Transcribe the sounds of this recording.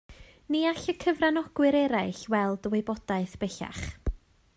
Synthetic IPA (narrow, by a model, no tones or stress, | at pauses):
niaɬəkʰəvranɔɡ̥wɨɾɛɾaɨɬwɛlˠdəwejbɔd̥aɨθb̥ɛɬa̰χ